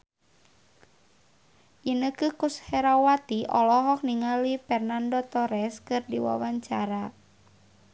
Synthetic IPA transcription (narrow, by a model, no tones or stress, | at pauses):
ʔinəkɨkushɛɾawat̪iʔɔlɔɦɔk̚niŋalifɛrnandot̪ɔɾɛskɨrdiwa̰waɲt͡ʃaɾa